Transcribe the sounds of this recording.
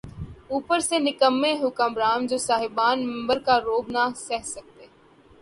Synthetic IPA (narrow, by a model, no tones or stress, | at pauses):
uːpəɾseːnɪkəmːẽːɦʊkamɾaːnd͡ʒoːsaːɦɪbaːnmɪ̃mbəɾkaːɾoːbnaːsɛɦsək̚t̪eː